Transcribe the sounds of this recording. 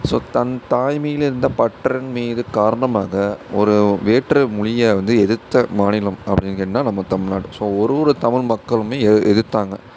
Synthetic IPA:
so̰ːt̪ɐnt̪aːjmɐjɪlɪɾɯnd̪ɐːpɐʈːɐɾɪnmiːðɯkaːɾɐɳɐmaːɣɐɔɾɯʋeːʈrɯmʊɻɪjɐʋɐnd̪ɯɛðɯt̪ːɐmaːnɪlɐmɐpːɐɽɪnkɪnːaːnɐmːɐt̪ɐmɪɭnaːɽɯsoːɔɾɯʋɔɾɯt̪ɐmɪɭmɐkːɐɭɯmeːɛʔɛðɯt̪ːaːŋɡɐ

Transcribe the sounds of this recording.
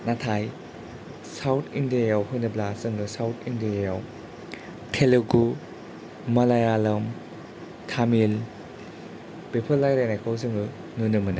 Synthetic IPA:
natʰaj | sawtʰindiajawhujnɯblasɯŋusawtʰindiajaw | tʰeluɡu | mɐlajalɐm | tʰamil | b̥epʰɯlːajɾajnajkʰawsɯŋu | nunɯmɯnɯ

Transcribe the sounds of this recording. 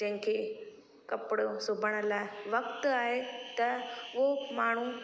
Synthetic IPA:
d͡ʑɐ̃ɦɪ̃kʰeː | kɐpɪɽosʊbʱəɽ̃ə̆laːɪʋɐk̚t̪aːɦet̪ɐʊomaːɳ̤u

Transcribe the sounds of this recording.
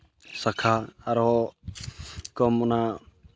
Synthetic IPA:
sakʰaaɾɔɔ | kɔmɔna

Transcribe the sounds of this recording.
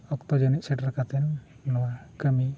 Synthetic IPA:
ɔkt̪ɔd͡ʒəniʔ̪sɛʈɾkat̪ɛnː | ɔwakəmi

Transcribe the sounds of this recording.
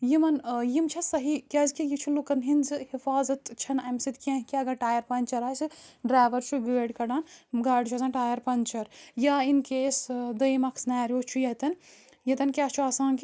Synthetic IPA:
jimɐnjimt͡ʃʰɐsɐɦikʲaːzkijit͡ʃʰulukɐnɦinzɨhifaːzɐt̪t͡ʃʰɐnɐmsit̪kʲɐ̃ɦkiɐɡɐʈaːjɐɾpɐnʲt͡ʃɐɾaːsɨɖɾaːʋɐɾt͡ʃʰuɡəːɖkɐɽaːnɡaːɖt͡ʃʰɐzaːnʈaːjɐɾpɐnʲt͡ʃɐɾjaːinkeːsd̪ɐjmɐkʰsnaːɾʲjoːt͡ʃʰujɐt̪ɐn | jɐt̪ɐnkʲaːst͡ʃʰuaːsãːnk

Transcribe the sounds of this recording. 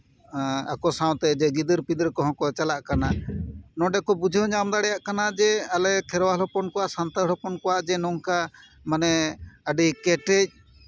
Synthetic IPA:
a̰kɔsãw̃t̪ɛd͡ʒɛɡid̪əɾpid̪əɾkɔɦɔ̃kɔt͡ʃalaʔkananɔ̃ɖɛkɔbud͡ʒʱɔɲamd̪aɽɛjaʔkanad͡ʒɛalɛkʰɛɾwalɔpɔnkɔwaʔsant̪əlɔpɔnkɔwaʔd͡ʒɛnɔŋka | manɛəɖikɛʈɛc̚

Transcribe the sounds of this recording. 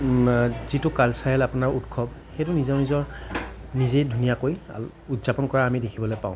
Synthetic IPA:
zitʊkalsajɛlapʊnaɹutkʰɔbxetʊnizɔnizɔɹnizejdʱunijakoj̰ | utz̥apɔnkɔɹaamidekʰibɔlojpa̰ʊ̃

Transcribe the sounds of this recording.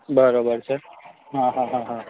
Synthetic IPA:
bəɾoːbəɾsəɾ | ɦãɦãɦãɦã

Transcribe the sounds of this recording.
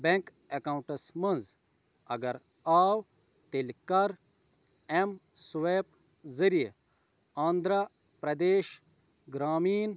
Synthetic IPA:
beŋk | ekaːwũɳʈɐsmɐnz | ɐ̰ɡɐɾ | aːw | t̪elkɐɾ | em | sweːp | zɐɾij | aːnd̪ɾɐ | pɾɐd̪eːʃ | ɡɾaːmiːn

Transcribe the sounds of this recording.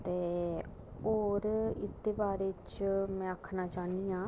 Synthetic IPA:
t̪eː | oːɾɪt̪ːeːbaːɾeːt͡ʃmɛ̃ːəkʰːnaːt͡ʃaːniːãː

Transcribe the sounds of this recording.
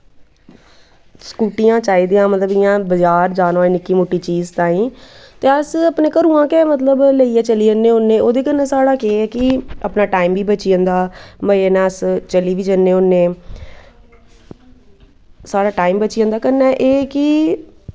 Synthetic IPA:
skuːʈijãːt͡ʃaːiːd̪iːãːmət̪ləbɪjãːbəd͡ʒaːɾd͡ʒaːnoenɪkːiːmoʈːiːt͡ʃiːzt̪ãːĩːt̪eːəsəpnẽːkəɾũːãːkɛːmət̪ləbləiːɛːt͡ʃəliːd͡ʒənːẽːʊnːẽːoːd̪eːkəɾnaːsaːɽaːkeːɛːkɪəpnaːʈaːiːmʋiːbət͡ʃiːə̃nd̪aːməeːnãːəst͡ʃəliːʋiːd͡ʒənːẽːʊnːeː | saːɽaːʈaːiːmbət͡ʃiə̃ːnd̪aːkəɾnɛːʔeːkɪ

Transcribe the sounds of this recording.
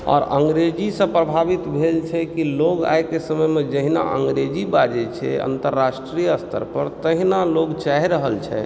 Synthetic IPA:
ɔ̰ɾəŋɡɾed͡ʒisə̃pɾəbʱabit̪bʱelt͡ʃʰɛkiloɡa̰jkesəməjmed͡ʒəɦina̰ʔəŋɡɾed͡ʒibad͡ʒɛt͡ʃʰɛ̰ə̰nt̪əɾːasʈɾijəəst̪ʰə̰ɾpəɾt̪əɦinaloɡt͡ʃaɦiɾəɦəlt͡ʃʰɛ̰

